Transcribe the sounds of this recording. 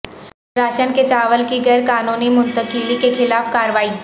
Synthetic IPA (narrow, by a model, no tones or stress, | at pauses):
ɾaːʃənket͡ʃaːʋəlkiɡɐɾkaːnõːnemʊ̃nt̪əkiːlikekʰɪlaːfkaːɾʋaːiː